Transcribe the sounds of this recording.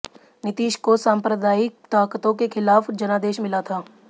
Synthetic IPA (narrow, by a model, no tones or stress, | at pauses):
nɪt̪iːʃkosãːmpɾəd̪aːjɪk̚t̪aːkt̪õkexʰɪlaːfd͡ʒɐnaːd̪eːʃmɪlat̪ʰaː